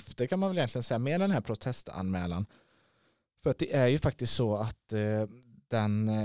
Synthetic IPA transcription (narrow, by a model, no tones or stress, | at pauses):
ft̪əkʰanmanvɛljɛnt̪lɪɡənsɛjːameːɖd̪ɛnhæːɾpʰɾʊt̪ʰɛst̪a̰nmɛːla̰n | fœɾat̪̚d̪ɛʔæɾjɵfak̚t̪ɪst̪sɔat̪ | d̪̥ɛn